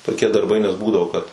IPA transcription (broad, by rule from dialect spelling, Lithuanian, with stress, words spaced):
toːkʲiɛ dɐrˈbɐɪ nʲɛs ˈbuːdɐʋoː kɐt